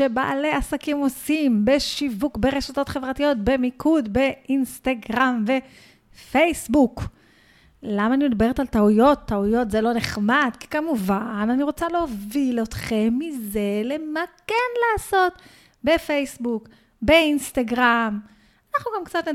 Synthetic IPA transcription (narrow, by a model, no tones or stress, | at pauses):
ʃe̞ba̰a̰leasakimosimbe̞ʃivukbe̞ʁe̞ʃato̞t̪χe̞vʁatijo̞t̪̚be̞mikʰud̪be̞ʔinst̪aɡʁamve̞ | fejsbuk | lamaːnimid̪baeetalt̪aujo̞t̪ːaujo̞tzelo̞neχmadki̥kamuvananiʁo̞t͡saleovilot̪χe̞mːize̞le̞makenlaːso̞t̪ | be̞fejsbuk | be̞inst̪aɡʁam | anaχnuɡamkt͡sat̪ne